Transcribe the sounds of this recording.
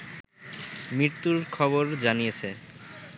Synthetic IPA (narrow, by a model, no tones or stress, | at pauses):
mɾiɾt̪uɾkʰɔboɾd͡ʑanijet͡ɕʰe